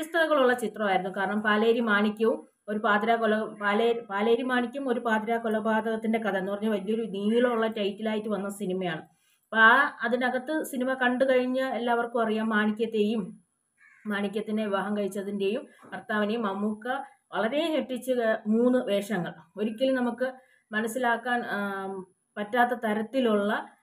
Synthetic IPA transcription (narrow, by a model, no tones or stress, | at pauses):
ist̪ʰɐlɐɣɐɭuɭːɐt͡ɕit̪rɐmaːjiɾunːukaːɾɐɳɐmpaːleːɾimaːnikʲːɐʋum | o̞ɾupaːd̪ɾaːkolɐpaːlepaːleːɾimaːɳikʲːumo̞ɾupaːd̪ɾaːkolɐbʱaːd̪ɐɣɐt̪ːinde̞kɐd̪ɐenːupɐrɐɲːuʋɐlijo̞ɾuniːjiɭouɭːɐtɐjtːilaːjitːuʋɐnːɐsinimɐjaːɳɨ | paɐðinɐɣɐt̪ːɨsinimɐkɐɳɖɨkɐɻiɲːɨelːaːɐʋɐrkɨpɐrijaːmmaːɳikʲːɐt̪ːe̞ːjumː | aːɳikʲːɐt̪ːine̞ʋiʋaːɦɐŋkɐɻit͡ɕːɐðinde̞jumkɐrt̪aːʋɐnejmɐmuːkːɐ | ʋɐɭɐɾe̞jɲeʈːit͡ɕːɨmuːnːɨʋe̞ːʂɐŋːɐɭo̞ɾukʲːilumnɐmukːɨ | mɐnɐsːilaːkːaːn | pɐtːaːt̪ːɐt̪ɐɾɐt̪ːiluɭːɐ